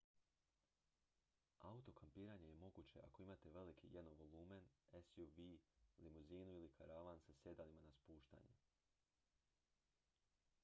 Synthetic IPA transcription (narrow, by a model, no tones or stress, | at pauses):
aut̪o̞kʰampiːɾaɲe̞je̞mo̞ɡut͡ɕe̞̰ʔa̰ko̞imat̪e̞ʋe̞likʰḭjed̪noʋo̞lˠuːme̞nesjuʋilimuziːnuilikʰaɾaʋansasje̞d̪alimanaspuːʃt̪a̰ɲu